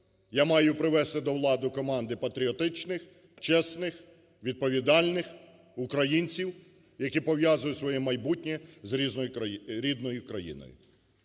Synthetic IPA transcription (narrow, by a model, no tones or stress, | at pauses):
jamɑjʊpɾɪʋɛst̪ɪd̪ɔwlˠɑd̪ʊkɔmɑnd̪ɪpɐt̪ɾʲiɔt̪ɪt͡ʃnɪx | t͡ʃɛsnɪx | ʋʲid̪̚pɔʋʲid̪ɑlʲnɪx | ʊkɾɐjinʲt͡sʲiw | jɐkʲipɔwjazʊjʊsʋɔjɛmɐjbutʲnʲizɾʲiznɔjʊɾʲid̪nɔjʊkɾɐjḭnɔ̰jʊ̰